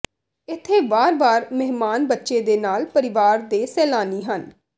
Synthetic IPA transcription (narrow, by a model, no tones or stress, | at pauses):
ɪt̪ʰːeːbaːɾbaːɾmɛɦmaːnbətːʃeːd̪eːnaːlpəɾɪʋaːɾd̪eːsɛːlaːniːɦən